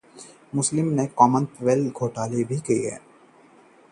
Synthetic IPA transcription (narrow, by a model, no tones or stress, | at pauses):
mʊslɪmnekɔːmə̃nt̪ʋeːlɡʱoːʈaːlebʱikiiɦɛ̰ː